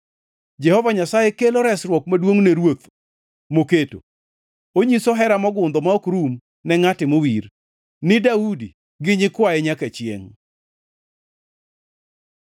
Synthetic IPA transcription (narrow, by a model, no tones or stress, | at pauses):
d͡ʒɛhɔvaɲasajekelɔɾɛsɾwɔkmadwoŋneɾwot̪ | moketo̰ | oɲisoɦɛɾamɔɡʊnd̪ɔmaokɾum | nɛŋatɪmowir | nɪdaudi | ɡɪɲɪkwajɛɲakat͡ʃjḛŋ